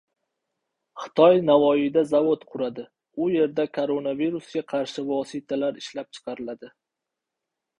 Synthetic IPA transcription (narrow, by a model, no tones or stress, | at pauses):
χɨ̥t̪ʰɒjnavɒjɪd̪azavot̪qʰʊɾad̪ɪ | ʊje̞ɾd̪akʰoɾo̞naviɾusɡʲaqʰɑɾʃɪvɒsɪt̪ʰalaɾɪʃlap̚t͡ʃʰɨ̥qʰɑɾɪlad̪ɪ